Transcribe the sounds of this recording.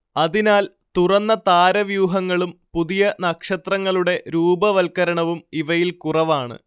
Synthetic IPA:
ɐðinaːl | t̪urɐnːɐt̪aːɾɐʋjuːɦɐŋːɐɭumpuðijɐnɐkʂɐt̪rɐŋːɐɭuɽe̞ɾuːbɐʋɐlkɐɾɐɳɐʋumiʋɐjilkurɐʋaːɳɨ̰

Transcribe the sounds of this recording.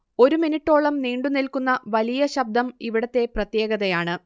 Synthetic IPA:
o̞ɾuminiʈːo̞ːɭɐmniːɳɖunilkunːɐʋɐlijɐɕɐb̚d̪ʱɐmiʋiɽɐt̪ːe̞prɐt̪je̞ːɡɐðɐjaːɳɨ

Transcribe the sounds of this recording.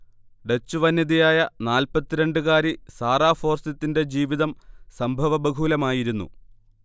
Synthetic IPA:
ɖe̞t͡ɕːuʋɐnːiðijaːjɐnaːlpɐt̪ːiɾe̞ɳɖɨɣaːɾisaːraːfo̞ːrsɐt̪ːinde̞d͡ʑiːʋiðɐmsɐmbʱɐʋɐbɐɡʱuːlɐmaːjiɾunːṵ

